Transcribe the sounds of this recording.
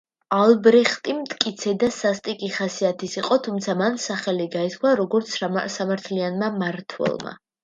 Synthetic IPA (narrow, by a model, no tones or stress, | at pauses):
alˠbɾɛχt̪ʼimt̪ʼkʼit̪sʰɛd̪asast̪ʼikʼiχasiat̪ʰisiqʼɔt̪ʰumt̪sʰamansaχɛliɡaiskʰwaɾɔɡɔɾt̪sʰsamaɾt̪ʰlianmamaɾt̪ʰwɛ̰lˠma̰